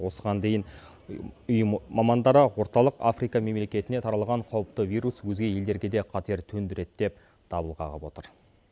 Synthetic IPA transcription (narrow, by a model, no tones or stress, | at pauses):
wo̞səʁɑnd̪e̞jɪn | ʊjmɑmɑnd̪ɑɾəwo̞ɾt̪ɑlˠəqa̰fɾijkɑme̞mle̞kʲe̞t̪ɪne̞t̪ʰɑɾɑlˠʁɑɴqʰɑwəp̚t̪əvijɾuswɵzɡʲe̞je̞ld̪e̞ɾɡʲe̞d̪e̞qʰɑt̪e̞ɾt̪ʰɵnd̪ɪɾe̞t̪d̪e̞p̚ | d̪̥ɑbəlˠʁɑ̰ʁəpwo̞t̪əɾ